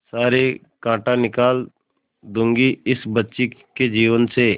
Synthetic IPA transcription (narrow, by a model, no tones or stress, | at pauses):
saːɾe | kãːʈanɪkaːl | d̪ʊ̃ŋɡiɪsbətːʃiked͡ʒiːʋənse